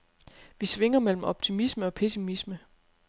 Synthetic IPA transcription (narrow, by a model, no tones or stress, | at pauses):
ʋisʋe̝ŋ̰ɐmel̰m̩ɒ̽b̥̚t͡sʰimisməɒ̽pʰe̝simismə